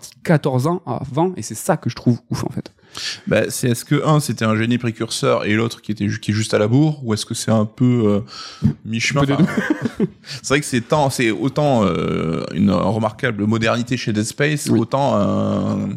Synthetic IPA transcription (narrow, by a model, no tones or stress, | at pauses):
t̪ʰi̥kat̪ɔʁzɑ̃a̰vɑ̃esɛsakəʒət̪χuvufɑ̰̃fɛt̪ | ba̰sɛɛskəʔɛ̃set̪ɛɛ̃ʒenipχekʲyʁsœʁḛlot̪χkʲiet̪ɛkʲiɛʒyst̪alabuʁuɛskəsɛɛ̃pøø | miʃmɛ̃fɛ̃ | sɛvʁɛkə̥sɛt̪ɑ̃sɛo̰t̪ɑ̃ø̰y̰nʁəmaʁkabləmɔd̪ɛʁnit̪eʃed̪ɛspɛjsot̪ɑ̃ɛ̃